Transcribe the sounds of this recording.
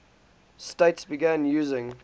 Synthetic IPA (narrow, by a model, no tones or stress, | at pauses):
steɪtsbɪɡæ̃njʉːzɪ̃ŋ